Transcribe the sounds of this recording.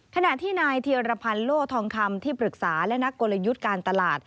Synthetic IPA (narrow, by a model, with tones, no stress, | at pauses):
kʰa˧na˨˩ʔt̪ʰiː˥˩naː˧jt̪ʰiː˧ɾa˧pʰa˧nloː˥˩k̚t̪ʰɔː˧ŋkʰa˧mt̪ʰiː˥˩pɾɯ˨˩k̚saː˩˦lɛ˦˥na˦˥kːo˧la˧ju˦˥t̪̚kaː˧nt̪a˧laː˨˩t̪̚